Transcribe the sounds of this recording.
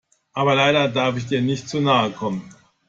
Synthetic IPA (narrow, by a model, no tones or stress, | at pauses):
ʔaːbɐlaɪɾɐdaɐfɪç̬d̥iːɐnɪçt̚t͡suːnaːəkʰɔmən